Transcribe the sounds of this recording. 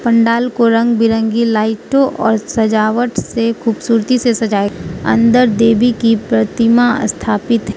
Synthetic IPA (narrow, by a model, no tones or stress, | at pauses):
pɐ̃ɳɖaːlkoɾɐ̃ŋɡbɪɾə̃ŋɡilaːɪʈõʔɔ̰ːɾsɐd͡ʒaːʋəʈsekʰuːbsuːɾt̪isesɐd͡ʒaːeɐ̰̃nd̪əɾd̪eːbikipɾɐt̪ɪma̰st̪ʰaːpɪt̪ɦɛ